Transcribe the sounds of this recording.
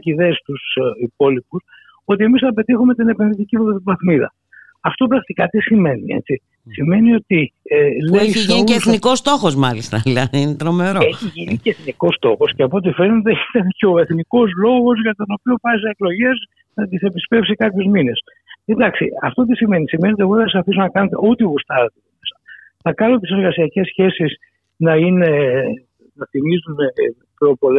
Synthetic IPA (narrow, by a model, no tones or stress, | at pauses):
ciðeːst̪usipo̞lipus | o̞t̪ie̞misθɐpe̞t̪ixume̞t̪ine̞penðit̪icivoðɐt̪ivɐθmiðɐ̰ | ɐft̪o̞pɾɐkt̪ikɐt̪isime̞nḭe̞̰t͡si | sime̞nio̞t̪ieleiʝineeθnikost̪o̞xozmɐlist̪ɐðilɐðinet̪ɾomeɾoeçiʝiniceeθniko̞st̪o̞xo̞sceɐpoot̪̬ife̞ɾnet̪eit̪ɐnceo̞e̞θniko̞zlo̞ɣo̞zʝɐt̪o̞no̞pio̞pɐsieklo̞ʝez | nɐt̪ise̞pispe̞fsikɐpçozmines | end̪ɐksiɐft̪o̞t̪̬isimenisime̞net̪̬eɣoðɐs̬ɐfis̬onɐkɐnet̪e̞̰ʔot̪iɣust̪ɐt̪eoesɐ | θɐkɐnot̪iseɾɣɐsiɐce̞sçe̞sis | nɐine | nɐθimizun | pço̞po̞le